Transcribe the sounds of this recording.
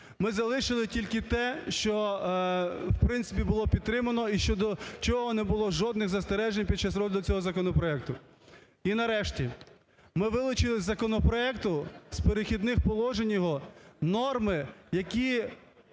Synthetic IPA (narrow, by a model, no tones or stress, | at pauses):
mɪzɐlˠɪʃɪlˠɪtʲilʲkɪt̪ɛʃt͡ʃɔ | wpɾɪntsɪp̬ʲibʊlˠɔpʲid̪̚t̪ːɾɪmɐnɔiʃt͡ʃɔd̪ɔt͡ʃɔɦɔnɛbʊlˠɔʒɔd̪nɪxzɐst̪eɾɛʒenʲpʲid̪t͡ʃːasɾɔd̪ɪd̪ʊt͡sʲɔɦɔzɐkɔnɔpɾɔɛk̚t̪ʊ | inɐɾɛʃtʲi | mɪʋɪlˠʊt͡ʃɪlˠɪzɐkɔnɔpɾɔɛkt̪ʊspeɾexʲid̪nɪxpɔlˠɔʒenʲjɔɦɔnɔrmɪjɐkʲi